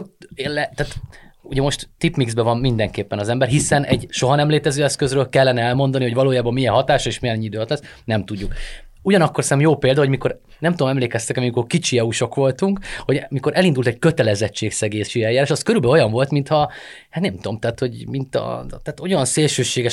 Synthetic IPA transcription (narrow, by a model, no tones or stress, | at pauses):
elɛt̪aːt̪uɟɛmo̞ʃt̪t̪ːipmiɡzbɛvɒmmind̪ɛŋkeːpːɛnɒzɛmbɛrɦisɛnɛ̰ɟʃo̞ɦɒnɛmleːt̪ɛzøːɛskøzrøːlkɛlːɛnɛɛlmo̞nd̪ɒniho̞ɟvɒloːjaːbɒmːijɛnɦɒt̪aːʃɒeːʃmijɛnɛɲːid̪øːɒt̪lɛs | nɛmt̪uɟːuk | uɟɒnɒkːo̞rsɛɛmjoːpeːld̪ɒɦo̞miko̞ɾ | nɛmt̪ud̪omɛmleːkɛst̪ɛkɛmmikorkit͡ʃiɛuʃo̞kʋo̞lt̪uŋkho̞ɟmiko̞ɾʔɛlind̪ult̪ɛɟ̚køt̪ɛlɛzɛt͡ʃːeːksɛɡeːsiɛjːaːɾaːʃɒskøɾylbɛojɒɱvo̞lt̪mint̪hɒ | hat̪nɛmt̪omt̪ɛːt̪ho̞ɟmint̪ɒ̰t̪aːt̪o̞jɒnseːlʃøːʃeːɡɛʃ